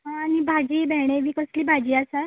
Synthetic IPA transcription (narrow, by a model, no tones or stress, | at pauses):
ɦãanibʱad͡ʑiːbʱɛɽ̃eʋiːkəsliːbʱad͡ʑiːasa